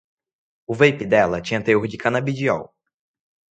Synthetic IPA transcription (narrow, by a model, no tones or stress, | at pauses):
ʊvejpid̪ɛlɐt͡ʃĩɲɐt̪eohd͡ʒɪkɐ̃nabid͡ʒiɔ̰w